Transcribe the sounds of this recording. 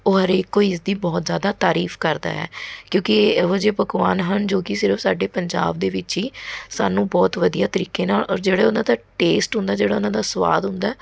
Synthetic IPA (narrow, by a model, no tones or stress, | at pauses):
oːɦəɾeːkːoːiɪs̬d̪iːbɔːt̪zjaːd̪aːt̪aːɾiːfʰkəɾd̪a̰ːɛ̰ːkjõːkɪod͡ʒeːpəɡʋaːnɦənd͡ʒoːkɪsɪɾəfsaːɖeːpəɲd͡ʒa̰ːb̚d̪eːʋɪt͡ʃɦiːsaːnũːbɔːt̪ʋəd̪ijaːt̪əɾiːkeːnaːlɔːɾd͡ʒeːɽaːʊnãːd̪aːʈeːsʈɦʊ̃nd̪aːd͡ʒeːɽaːʊnãːd̪aːsəʋa̰ːd̪ɦʊ̃nd̪aɛː